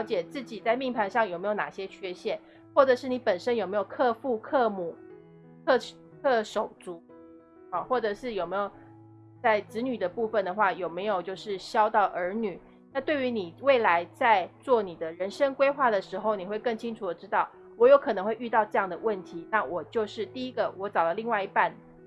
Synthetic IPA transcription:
ʊt͡ɕjɛ˨˩t͡sɹ̩˥˩t͡ɕi˨˩t͡sa˥˧ɪmi˥˩ŋpʰa˧˥nʂɑ˥˩ŋjo˨˩me˧˥jo˧ʊna˨˩ɕjɛ˥t͡ɕʰɥɛ˥˧ɕjɛ˥˩n | xwɔ˥˩ʈ͡ʂɤ˨˩ʂɻ̩˥˩ni˧˥pə˨˩nʂə˥njme˧˥ɪjo˨˩kʰɤ˥˧fu˥˧kʰɤ˥˧mu˨˩ | kʰɤ˥˧ | kʰɤ˥˩ʂo˨˩ʊt͡su˧˦ | ɔ˨˩xwɔ˥˩ʈ͡ʂɤ˨˩ʂɻ̩˥˩jo˨˩ʊme˧˥ɪjo˨˩ʊ | t͡sa˥˩ɪt͡sɹɻ̩˧˥ny˨˩d̪ə˦pu˥˧fə˨˩nd̪ə˩xwa˥˩jo˨˩ʊme˧˥ɪjo˨˩ʊt͡ɕjo˥˧ʊʂɻ̩˥˩ɕjɑ˥ʊt̪ɑ˥˩ʊʔə˞˧˥ny˨˩˦ | na˥˧t̪we˥˩ɪy˧˥ni˨˩we˥˩ɪla˧˥ɪt͡sa˥˧ɪt͡swɔ˥˩ni˨˩d̪ə˦ɻə˧˦nʂə˥ŋkwe˥ɪxwa˥˩d̪ə˩ʂɻ̩˧˥xo˥˧ʊni˨˩xwe˥˧ɪkə˥˩ŋt͡ɕʰi˥ŋʈ͡ʂʰu˨˩d̪ə˩ʈ͡ʂɻ̩˥t̪ɑ˥˩ʊ | wɔ˧˥jo˧˥ʊkʰɤ˨nɤ˧˦ŋwe˥˧ɪy˥˧t̪ɑ˥˧ʊʈ͡ʂɤ˥˧jɑ˥˩ŋd̪ə˩wə˥˩nt̪ʰi˧˦na˥˩wɔ˨˩t͡ɕjo˥˧ʊʂɻ̩˥˧t̪i˥˧i˦˥ɡə˨wɔ˧˥t͡sɑ˨˩ʊlə˦li˥˧ŋwa˥˧ɪi˧˥pa˥˩n

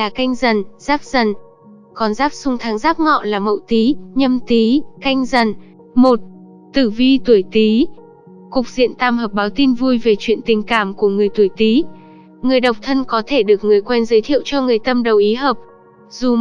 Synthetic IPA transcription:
laː˨˩ka˧jŋ̟zə˨˩nz̥aː˦˥p̚z̥ə˨˩n | kɔ˨˩nzaː˦˥p̚sʊ˧ŋ͡mt̪ʰaː˨˦ŋzaː˦˥p̚ŋɔ̰˧˨laː˨˩mə̰˧˨wt̪i˨˦ɲə˧mt̪i˨˦ka˧jŋ̟zə˨˩n | mo˨˩t̚ | t̪ɨ˧˩vi˧t̪u˧˩əjt̪i˨˦ | kʊ˨˩k͡p̚z̥ḭ˧˨ənt̪aː˧mhəː˨˩p̚ɓaː˨˦wt̪i˧nvu˧jve˨˩t͡ɕwḭ˧˨ənt̪ï˨˩ŋ̟kaː˧˩mku˧˩əŋɨ˨˩əjt̪u˧˩əjt̪i˨˦ | ŋɨ˨˩əjɗə˨˩wk͡p̚t̪ʰə˧nkɔ˨˦t̪ʰe˧˩ɗɨ˨˩ək̚ŋɨ˨˩əjkwɛ˧nzəː˨˦jt̪ʰḭ˧˨əwt͡ɕɔ˧ŋɨ˨˩əjt̪ə˧mɗə˨˩wʔi˨˦ɦəː˨˩p̚ | zu˨˩

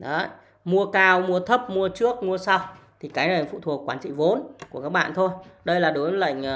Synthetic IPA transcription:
ɗɔ̰˨˦ | mu˧əkaː˧wmu˧ət̪ʰə˦˥p̚mu˧ət͡ɕɨ˦˥ək̚mu˧əsa˧wt̪ʰi˨˩kaː˨˦jnə˨˩˨fṵ˧˨t̪ʰu˨˩əkːwaː˨˦nt͡ɕḭ˧˨vo˨˦nku˧˩əkaː˦˥k̚ɓa̰ː˧˨nt̪ʰo˧jɗə˧jlaː˨˩ɗo˨˦jvə˨˦lə̰˧˨jŋ̟ː˨˩

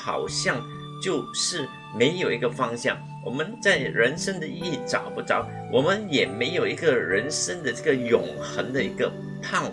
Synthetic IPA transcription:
xɑ̰˨˩ʊɕjɑ˥˧ŋ | t͡ɕjo˥˧ʊʂɻ̩˥˩ | me˧˥ɪjo˨˩ʊi˧˥ɡə˧fɑ˥ŋɕjɑ̰˥˩ŋ | wɔ̰˨˩mə˦nt͡sa˥˩ɪɻə˧˥nʂə˥ŋd̪ə˨i˥˩ʈ͡ʂɑ̰˨˩˦ʊpu˥˩ʈ͡ʂɑ̰˨˩˦ʊ | wʔɔ˨˩mə˦njɛ˨˩me˧˥ɪjo˨˩ʊi˧˥ɡə˨ɻə˧˥nʂə˥ŋd̪ə˨ʈ͡ʂɤ˥˩ɡə˩jʊ˨˩ŋ | xə˧˥ŋd̪ə˨i˧˥ɡə˧ | pʰɑ˥˧ŋ

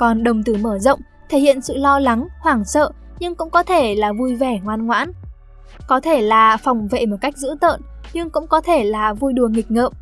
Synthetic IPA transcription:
kɔ˨˩nɗə˨˩wŋ͡mt̪ɨ˧˩məː˧˩zə̰˧˨wŋ͡m | t̪ʰe˧˩hḭ˧˨ənsɨ̰˧˨lɔ˧la˨˦ŋhwaː˧˩ŋsə̰ː˧˨ | ɲɨ˧ŋkʊ̰˧˥ŋ͡mkɔ˨˦t̪ʰe˧˩laː˨˩vu˧jve˧˩ŋwaː˧nŋwa̰ː˧˥n | kɔ˨˦t̪ʰe˧˩laː˨˩fa˨˩wŋ͡mvḛ˧˨mo˨˩t̚ka˦˥jk̟̚zɨ̰˧˥t̪ə̰ː˧˨nɲɨ˧ŋkʊ̰˧˥ŋ͡mkɔ˨˦t̪ʰe˧˩laː˨˩vu˧jɗu˨˩əŋi˨˩k̟̚ŋə̰ː˧˨m̚

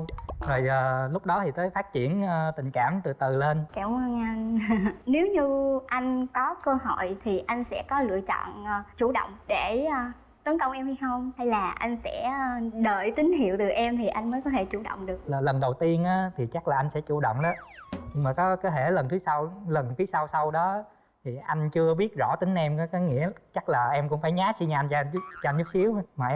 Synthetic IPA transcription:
təː˨˩jəː˨˩lʊ˦˥k͡p̚ɗɔ˨˦t̪ʰi˨˩t̪əː˨˦jfaː˦˥t̚t͡ɕḭ˧˩˨ənː˧t̪ï˨˩ŋ̟kaː˧˩mt̪ɨ˨˩t̪ɨ˨˩le˧nkɛ˧˩wwaː˧ŋʔa˧nne˨˦wɲɨ˧ʔa˧jŋ̟kɔ˨˦kəː˧ho̰˧˨jt̪ʰi˨˩ʔa˧jŋ̟sɛ̰˧˥kɔ˨˦lɨ̰˧˨ət͡ɕɔ̰˧˨n˧t͡ɕu˧˩ɗə̰˧˨wŋ͡mɗe˧˩˧ | t̪ə˨˦nkə˧˨wŋ͡mʔɛ˧mha˧jxə˧wŋ͡mha˧jlaː˨˩ʔa˧jŋ̟sɛ̰˧˥ɗəː˧˨jt̪ï˨˦ŋ̟hḭ˧˨əwt̪ɨ˨˩ʔɛ˧mt̪ʰi˨˩ʔa˧jŋməː˨˦jkɔ˨˦t̪ʰe˧˩t͡ɕu˧˩ɗə̰˧˨wŋ͡mɗɨ˨˩ək̚lːlə˨˩nɗə˨˩wt̪i˧ənʔaː˨˦t̪ʰi˨˩t͡ɕa˦˥k̚laː˨˩ʔa˧jŋsɛ̰˧˥t͡ɕṵ˧˩ɗə̰˧˨wŋ͡mɗɔ˨˦ɲɨ˧ŋmaː˨˩kɔ˨˦kɔ˨˦t̪ʰe˧˩lə˨˩nt̪ʰɨ˨˦sa˧wlə˨˩nfʰi˨˦sa˧wsa˧wɗɔ˨˦ | t̪ʰi˨˩ʔa˧jŋ̟t͡ɕɨ˧əɓi˦˥ət̚zɔ̰˧˥t̪ï˨˦ŋ̟ʔɛ˧mkɔ˨˦kɔ˨˦ŋḭ˧˥ət͡ɕa˦˥k̚laː˨˩ʔɛ˧mkʊ̰˧˥ŋ͡mfaː˧˩jɲaː˦˥t̚si˧ɲa˧ʔa˧nt͡ɕt͡ɕɔ˧ʔa˧jnzʊ˦˥k͡p̚si˨˦əwmaː˨˩ʔ

